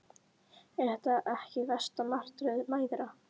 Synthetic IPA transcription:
ɛɾ̥θɛht̪aʔɛhcɪvɛst̪amar̥t̪ɾʏðmaːjðɾa

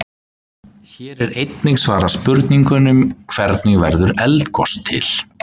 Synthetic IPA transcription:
çɛːɾɛɾejt̪nɪɣsvaːɾḁspʏɾt̪niŋkʏnʏmkʰv̥ɛɾt̪nɪɣvɛɾðʏɾɛlt̪kʰɔ̰st̪ʰːɪ̰l

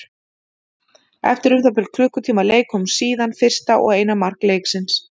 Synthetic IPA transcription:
ɛ̰ft̪ɪɾʏmθapɛlkʰlʏhkʏt̪ʰiːmaleːjkhɔmsiːðanfɪr̥st̪aʔɔ̰ɣeːjnamar̥kleːjksɪns

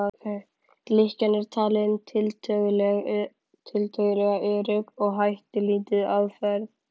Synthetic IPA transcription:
lɪhcanɛɾ̥t̪ʰaːlɪnt̪ʰɪlt̪ʰœːɣʏl | t̪ʰɪlt̪ʰœːɣʏlɛɣaʔʏɾʏpɔɣɦajht̪ɪliːt̪ɪðaðfɛɾð

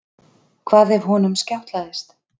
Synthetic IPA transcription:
kʰvaːðɛv̥ɦɔnʏmscawht̪laðɪst̪

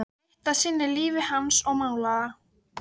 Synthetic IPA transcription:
t̪asinːɪliːvɪhansɔmawla

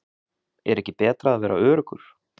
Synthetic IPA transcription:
ɛ̰ɾɛhcɪpɛːt̪ɾaaðvɛːɾaœːɾʏkʏɾ̥

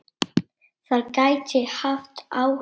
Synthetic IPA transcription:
sarkʼajt͡ʃʼejħaftʼʰaw

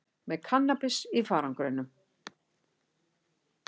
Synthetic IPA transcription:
mɛðkʰanːapɪsifaːɾaŋkɾʏnʏm

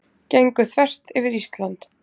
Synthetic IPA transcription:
cejŋkʏθvɛr̥t̪ɪvɪɾist̪lant̪

